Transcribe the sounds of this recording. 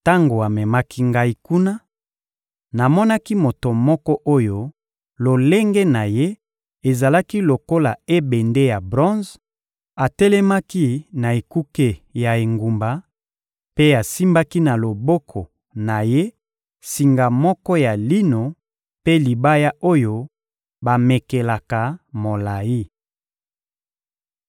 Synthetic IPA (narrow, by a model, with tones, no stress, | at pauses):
ta˦ŋɡo˨a˨mɛ˨ma˦kʰi˦ŋɡa˦i˨˦ku˦na˦ | na˨mɔ˦na˦ki˦mo˨to˨mɔ˦kɔ˦ʔo˦jo˦ | lo˨le˦ŋɡe˦na˨je˦ | e˨za˨la˦ki˦lo˨ko˦la˨e˦be˨nde˦ja˨bʁɔ̃˦z | a˨tɛ˦lɛ˦ma˦ki˦na˨e˨ku˦ke˦ja˨e˨ŋɡu˨mba˨ | pe˦a˨si˦mba˦ki˦na˨lo˨bo˦kʰɔ˨ | na˨je˦ | si˨ŋɡa˨mɔ˦kɔ˦ja˨li˦no˨ | pe˦li˨ba˦ja˦ʔo˦jo˦ | ba˨me˨ke˨la˨ka˨mo˨la˨i˦